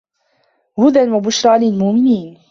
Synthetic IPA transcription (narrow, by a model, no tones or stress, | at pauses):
hʊd̪anwabʊʃɾˤɑːlɪlmʊʔmɪniːn